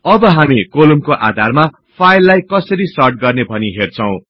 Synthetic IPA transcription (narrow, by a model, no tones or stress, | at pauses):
ʌbʌɦamikolumkoʔa̰d̪ʱarma | pʰajlːajkʌsʌɾisʌrʈ̚ɡʌrnebʱʌniɦert͡sʰʌ̃w̃